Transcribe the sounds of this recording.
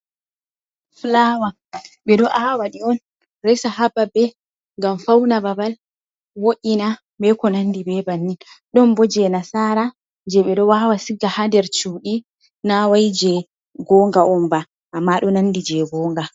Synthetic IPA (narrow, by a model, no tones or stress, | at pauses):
flawa | ɓɛɗɔʔawaɗiɔn | rɛjsaɦabːabɛ | ŋɡamfawnababal | woʔina | ɓɛkɔnanːdibɛbanːin | ɗɔmbɔd͡ʒɛnasaːɾa | d͡ʒɛɓɛɗɔwawasiɡːahadɛɾt͡ʃuːɗi | nawajd͡ʒɛ | ɡɔːŋɡaʔɔmba | ʔːmːaɗɔnandid͡ʒɛɡɔːŋɡa